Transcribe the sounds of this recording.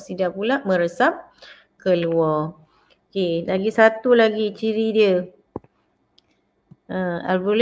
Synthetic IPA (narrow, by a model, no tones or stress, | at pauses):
sidapulaʔmə̃ɾəsap̚ | kəluɔ | okelaɡisat̪ulaɡit͡ʃiɾidiə | ə̃a̰lbul